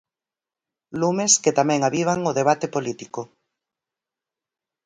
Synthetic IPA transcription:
lumesket̪amɛ̃ŋaβiβ̞aŋoðeβ̞at̪epolit̪iko

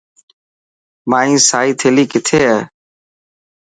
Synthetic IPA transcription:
maːĩːsaːiːt̪ʰeːliːkɪt̪ʰeːɦəː

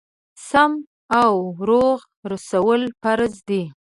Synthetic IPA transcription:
sam | awɾoɣ | ɾasawəlpaɾzd̪i

